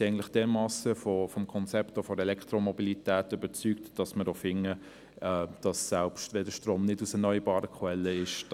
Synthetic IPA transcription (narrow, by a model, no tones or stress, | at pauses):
ɛɪɡn̩tlɪχd̥ɛːmɑːsəfɔfɔmkʰɔnt͡sɛptɔfɔɾɛlɛktɾɔmɔbilitæːtøbət͡syːktd̥ɑsmədoːfɪŋə | ɛd̥ɑsːælpʃtʋɛldəʃtroːmnɪdusɛnœʏəbɑːɾəkʰwɛlːəɪʃ